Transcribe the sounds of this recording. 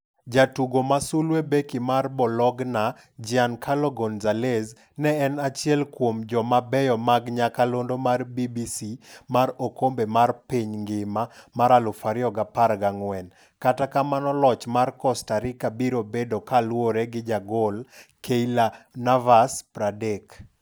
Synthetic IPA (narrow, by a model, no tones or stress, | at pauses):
d͡ʒatuɡomasulwebekɪmarbɔlɔɡna | d͡ʒiankʰalɔɡɔnzalez | nɛɛnat͡ʃjɛlkwomd͡ʒɔmabɛjɔmaɡɲakalondomarbibisimaɾokombemarpiɲŋɡɪmamaɾalʊfaɾjɔɡapaɾɡaŋwɛn | katakamanɔlɔt͡ʃmarkɔstaɾɪkabiɾobedokalwoɾeɡɪd͡ʒaɡolkeilanavaspɾadek